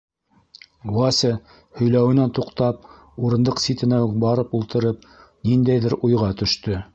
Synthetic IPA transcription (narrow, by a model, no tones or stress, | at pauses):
ɡlɑsʲɘ | hɵ̆jlæwɘ̆nænt̪uqt̪ɑp̚ | uɾɤ̆nd̪ɤqsʲit̪ɘ̆næbɑɾɤpulˠt̪ɤ̆ɾɤp̚ | nind̪æjðɘɾujʁɑt̪ɵ̆ʃt̪ɵ